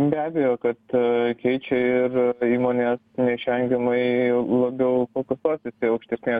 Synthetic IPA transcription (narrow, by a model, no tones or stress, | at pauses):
bʲæːbʲɛjoːkɐt̪kʲɛɪt͡ʃʲɛɪɾiːmoːnʲeːsnʲɛʃʲʋʲɛŋʲɡʲɛmɐɪlˠɐbʲɛʊkoːkʲosklˠɑːsʲeːsʲɪɐʊkʃʲt̪ʲɛsʲnʲeː